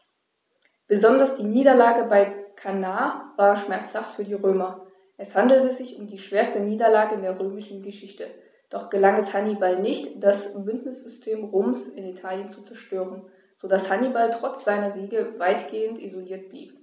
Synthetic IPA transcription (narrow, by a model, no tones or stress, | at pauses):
b̥əzɔndɐsd̥iːniːdɐlaːɡəbaɪkʰanaːvaːɐʃmɛɐt͡shaftfyːɐdiːʁøːmɐ | ʔɛshandl̩təzɪçʊmdiːʃv̥eːɐstəniːdɐlaːɡəɪndeːɐʁøːmɪʃn̩ɡəʃɪçtə | d̥ɔχɡ̥əlaŋɛshanibalnɪçtd̥asb̥ʏndnɪsz̥ʏstʰeːmʁoːmsɪnitʰaːljənt͡sut͡sɛɐʃtøːʁən | z̥odashanibaltʁ̥ɔt͡sz̥aɪnɐziːɡəvaɪtɡ̥eːəntʔḭzoliːɐt̚b̥lḭːp